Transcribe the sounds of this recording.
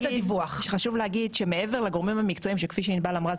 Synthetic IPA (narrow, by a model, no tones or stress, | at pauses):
ivuaχʃeχaʃuvleaɡidʃeme̞e̞veʁlaɡo̞ʁmimhamikt͡so̞imʃekfiʃ̬enibalamʁaz